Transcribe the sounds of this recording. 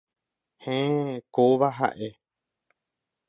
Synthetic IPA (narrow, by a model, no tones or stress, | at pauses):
hẽkoʋaɦa̰ʔe̞